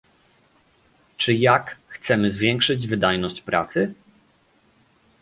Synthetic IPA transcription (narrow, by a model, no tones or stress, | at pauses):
t͡ʂɘjakxt̪sɛmɘzvʲjɛŋkʂɘd͡ʑvɘd̪ajnɔɕt͡ɕpɾa̰t̪sɘ